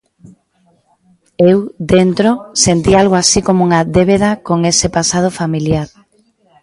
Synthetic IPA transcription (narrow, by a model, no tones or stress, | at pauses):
ewd̪ent̪ɾosent̪ialɣoasikomouŋaðeβeð̞akoŋesepasað̞ofamiljaɾ